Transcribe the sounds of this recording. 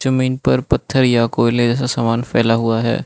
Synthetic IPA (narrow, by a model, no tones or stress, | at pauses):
d͡ʒɐmiːnpɐɾpɐt̪ʰːəɾjakoːɪled͡ʒɛːs̬asaːmaːnfɛ̰ːlaɦʊaɦɛ̰ː